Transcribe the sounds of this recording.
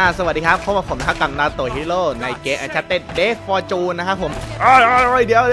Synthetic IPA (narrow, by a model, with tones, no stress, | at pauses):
a˧˩sa˧wa˨˩t̚diː˧kʰa˦˥pʰːo˧˦˥waː˧˩pʰo˩˦mtʰa˧˦˥ka˨˩mdaː˧˩t̪oː˨˩hi˦˥loː˥˩na˧jkeː˧˥ʔa˧˩t͡ɕʰa˦˥t̪ːe˥˩t̪̚deː˦˥˩fɔː˧t͡ɕuː˧nːa˦˥kʰa˦˥pʰo˨˩˦mʔaː˧˩ja˧˩jɾɔ˧˩jdi˧˩˦əw